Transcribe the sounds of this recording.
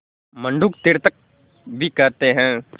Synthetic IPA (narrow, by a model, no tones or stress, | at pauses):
mə̃ɳɖuːk̚t̪ɪɾt̪ək̚ | bʱikɛɾt̪eɦɛ̃ː